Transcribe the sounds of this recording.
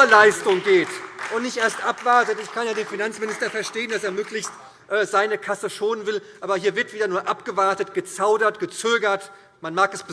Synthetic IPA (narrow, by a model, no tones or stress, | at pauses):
ɐlaɪstʊŋɡeːtʔʊntnɪçtʔeːɐstʔapv̥aɐtətɪçkʰanjaːdeːnfinant͡smɪnɪstɐfɛɐʃteːəndaseːɐmøːklɪçst | ʔɛːzaɪnəkʰasəʃoːnənvɪlʔaːbɐhiːɐvɪɐtv̥iːdɐnuːɐʔapɡ̥əvaɐtətɡ̥ət͡saʊdɐtɡ̥ət͡søːɡɐt | manmaːkɛsb̥ə